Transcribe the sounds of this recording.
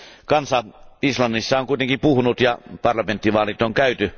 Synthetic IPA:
kɑnsɑislɑnːisːɑoŋkuit̪eŋkipuhunut̪jɑpɑrlɑment̪ːiʋɑːlit̪oŋkæyt̪y

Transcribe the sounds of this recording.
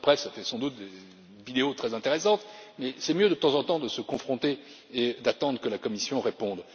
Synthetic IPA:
pχɛsɛfɛsɑ̃d̪ut̪̚d̪e | vid̪eot̪χɛzɛ̃t̪eʁesɑ̃t̪mɛsɛmjød̪ət̪ɑ̃zɑ̃t̪ɑ̃d̪əsəkɔ̃fχɔ̃t̪eː | d̪at̪ɑ̃d̪ʁəkəlakɔmisjɔ̃ʁepɔ̃d̪

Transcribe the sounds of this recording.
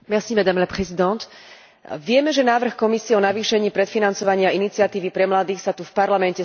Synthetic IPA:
mɛsimɛd̪amlɛpɾɛzid̪ɔnt̪ | ʋɪɛmɛʒɛnaːʋr̩xkɔmisiɛɔnaʋiːʃɛɲiːpɾɛt̪finant͡sɔʋaɲɪainit͡sɪat̪iːʋipɾɛmlad̪iːxsat̪ufpaɾlamɛncɛ

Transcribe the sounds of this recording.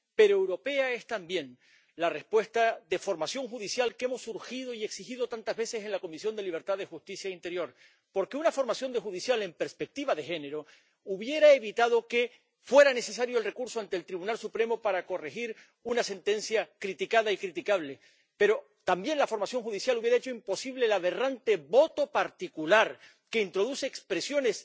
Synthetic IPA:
pe̞ɾoewɾo̞pe̞ae̞st̪ambje̞n | lare̞spwe̞st̪aðe̞fo̞ɾmasjo̞ŋxuðisjalkee̞mo̞sːuɾxið̞o̞ie̞ksixiðo̞t̪ant̪azβe̞se̞se̞nlako̞misjo̞nd̪e̞liβɾt̪aðe̞xust̪isjaint̪e̞ɾjo̞ɾ | po̞ɾke̞unafo̞ɾmasjo̞nd̪e̞xuðisjale̞mpe̞ɾspe̞k̚t̪iβaðe̞xe̞ne̞ɾo̞ | uβje̞ɾaeβit̪aðo̞ke̞ | fwe̞ɾane̞se̞s̬aɾjoelre̞kuɾso̞ant̪eːlt̪ɾiβunalsupɾe̞mo̞paɾako̞rexiɾ | unase̞nt̪e̞nsjakɾit̪ikaðaikɾit̪ikaβ̞le̞ | pe̞ɾo̞ | t̪ambje̞nlafo̞ɾmasjo̞ŋxuðisjaluβjeɾaet͡ʃo̞impo̞siβ̞le̞laβe̞rant̪e̞βo̞t̪o̞paɾt̪ikulaɾ | ke̞int̪ɾo̞ðuseːkspɾe̞sjo̞ne̞s

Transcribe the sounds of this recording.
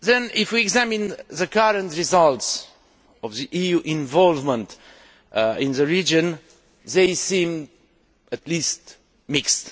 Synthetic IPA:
ðɛ̃nifwiɛɡzæmĩnðəkaɾə̃nt̪ɹizalˠts | ɔvðiʔijuʔĩnvɔlˠvmə̃nt̪ | ĩnðɨɹid͡ʒɨ̃n | ðejsĩm | ət̪list̪ | mikst̪

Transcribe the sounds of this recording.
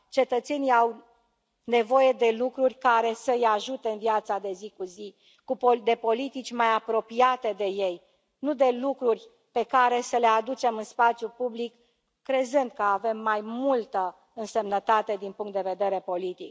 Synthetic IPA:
t͡ʃe̞t̪ət̪seniaw | ne̞vo̞je̞d̪e̞lukɾurʲkaɾe̞səɨjaʒut̪e̞ɨnvjat̪sad̪e̞zikuzi | kupod̪e̞po̞lit̪it͡ʃʲmajapɾo̞piat̪e̞d̪e̞je̞j | nud̪e̞lukɾurʲ | pe̞kaɾe̞səle̞ad̪ut͡ʃe̞mɨnspat̪sʲjupublikː | ɾe̞zɨnd̪̚kəave̞mːajmult̪ə | ɨnse̞mnət̪at̪e̞d̪inpuŋkt̪d̪e̞ve̞d̪e̞ɾe̞po̞lit̪ḭk

